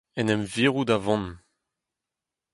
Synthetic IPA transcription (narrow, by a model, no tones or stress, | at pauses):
ɛnɛmviːʁud̪avɑ̃n